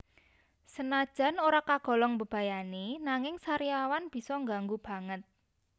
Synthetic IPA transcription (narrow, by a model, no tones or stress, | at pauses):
sənad̥ʒ̥a̤noɾakaɡ̥ɔ̤lɔŋbə̤b̥ä̤janenaŋɪŋsaɾiawanb̥i̤sɔŋɡaŋɡub̥ä̤ŋət̪̚